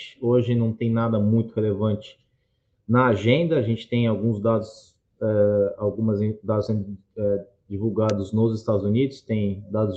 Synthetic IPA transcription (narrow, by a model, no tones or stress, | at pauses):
ɪoʒɪnɐ̃w̃t̪ẽj̃nad̪ɐmũj̃t̪ʊhelevɐ̃t͡ʃɪ̥ | nɐaʒẽnd̪ɐːʒẽnt͡ʃɪ̥t̪ẽj̃awɡũzd̪ad̪ʊs | ɛawɡũmɐz̃d̪ad̪ʊsẽnd̪ʊɛ | d͡ʒivuwɡad̪ʊznʊzɪst̪ad̪ʊzunid̪ʊst̪ẽj̃d̪ad̪ʊz